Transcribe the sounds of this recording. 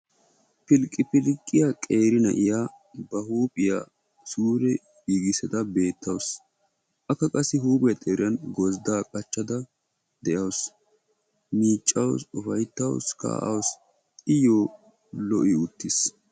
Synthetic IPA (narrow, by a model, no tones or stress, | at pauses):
pɪlkʼːɪpɪlkʼːɪjakʼe̞ːɾɪnɐ̰ʔɪjaː | bɐhuːpʼɪja̰ | suːɾɛ | ɡiːɡɪsɛt̪ɐbe̞ːt̪ːɐws | ʔɐkːɐkʼɐsːɪɦuːpʼɪjɐt̪ʼeːɾɪjɐnɡɔzd̪aːkʼɐt͡ʃːɐd̪ɐ | d̪ɛʔɐws | miːt͡ʃʼːɐwsʊfɐjt̪ːɐwska̰ːʔɐ̰ws | ɪjoː | lɔʔɪʊt̪ːɪs